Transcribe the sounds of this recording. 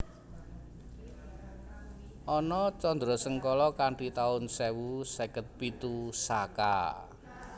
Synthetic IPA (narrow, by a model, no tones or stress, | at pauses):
ʔɔnɔt͡ʃɔnd̪ɾɔsəŋkɔlɔkaɳʈit̪aʊnsewusekət̪̚pit̪usaka̰